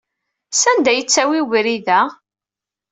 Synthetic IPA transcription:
sænd̪æjət͡sːæwiwɾiðæ

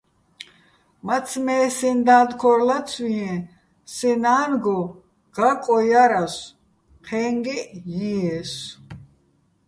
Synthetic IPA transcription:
mat͡sʰmɛːsind̪aːd̪kʰɔɾlat͡sʰwiɛ̃ | sɛnaːnɡɔ | ɡ̥akʼɔjaɾas | qʰɛːŋɡɛjiɛs

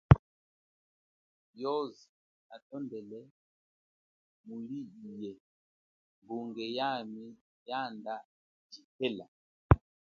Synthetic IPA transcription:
jɔzi | atɔndɛlɛ | muliijɛ | mbuŋɡɛjami | janda | d͡ʒikɛla

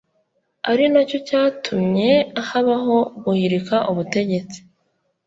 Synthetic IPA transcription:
aɾinaco̞caːtʰumɲe̞ahaβaɦo̞ɡuhiɾikaʔuβute̞ɟe̞t͡si̥

